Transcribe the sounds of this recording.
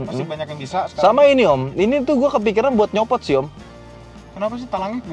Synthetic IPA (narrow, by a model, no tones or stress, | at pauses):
m̩mabaɲakanbisasə̥samainiɔminit̪uɡuakəp̬ikiɾanbuat̪̚ɲɔpɔt̪̚siɔm | kənapas̬ɪt̪əlaŋɪk̚b